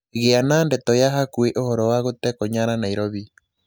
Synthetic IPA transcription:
eɣeanaːndɛtɔjaɦakweʔohɔɾɔwaɣotɛkoɲaɾanaiɾɔβi

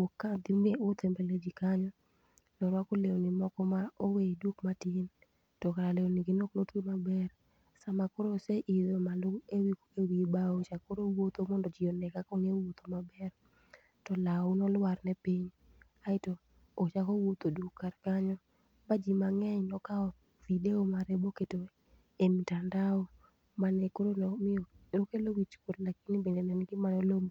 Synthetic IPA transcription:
okːad̪imeʊt̪ʰɛmbeled͡ʒikaɲɔ | nɔɾwakolewonimɔkɔmaoweidukmatin | tɔkaɾalewoniɡinoklotimabɛr | samakoɾoseʔid̪omalʊŋewikewibaot͡ʃakoɾowot̪omɔndɔd͡ʒiɔnɛkakɔŋewot̪omabɛr | tɔlaunɔlwarnɛpiɲ | aɪtoː | t͡ʃakɔwot̪odukːaɾkaɲɔ | bad͡ʒimaŋɛɲnɔkaɔ | videomaɾeboketo | emitandaɔ | manɛkoɾolmlokelowit͡ʃkodlakinɪbendɛnɛnɡɪmanɔlomo

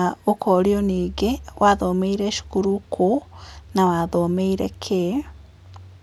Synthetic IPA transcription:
okɔɾioniːɡewʔaðomeiɾɛʃu̥kuɾukʰonawaðomeiɾɛkʰe

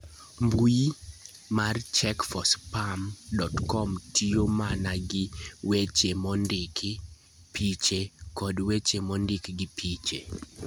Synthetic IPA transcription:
mbui | mart͡ʃɛkfɔspamdɔtkɔmtʰiomanaɡɪwet͡ʃemɔndɪkʰi | pʰit͡ʃekɔdwet͡ʃemɔndɪkɡɪpʰit͡ʃḛ

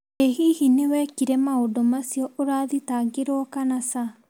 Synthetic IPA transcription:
ehihinewɛkiɾɛmaodɔmasiɔʔoɾaːðitaːɡeɾwɔkanasa

